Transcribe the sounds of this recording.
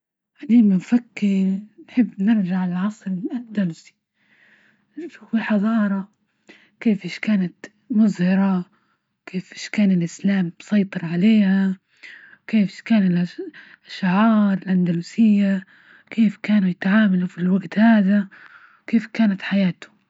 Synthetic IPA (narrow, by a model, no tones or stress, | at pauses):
ʕad̪iːmamfakːɪɾnħɪbːnɪɾd͡ʒaʕɪlʕɑsˤɾɪlʔand̪alusi̥ | ʃuːfiħɑðˤɑːɾˤɑ | keːfʔɪːʃkaːnat̪ | mʊzhɑɾˤɑ | keːfʔɪːʃkaːnɪlʔɪslaːmbsˤɑjt̪ˤɨɾˤʕaleːha | keːfkaːnɪlʔa | ʔaʃʕɑːɾˤɪlʔand̪aluːsɪjːa | kʰeːfkaːnujɪt̪ʕaːmalufilwaɡt̪haːd̪a | keːfkaːnat̪ħajaːt̪ʊ̥